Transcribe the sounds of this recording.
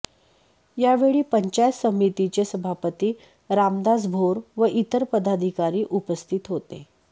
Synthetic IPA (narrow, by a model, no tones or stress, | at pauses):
jaʋeɭiːpəɲt͡ɕajsəmit̪it͡ɕesəbʱapət̪iː | ɾamd̪ad͡zbʱoɾʋəʔit̪əɾpəd̪ad̪ʱikaɾiːʔupəst̪ʰit̪ɦot̪ḛ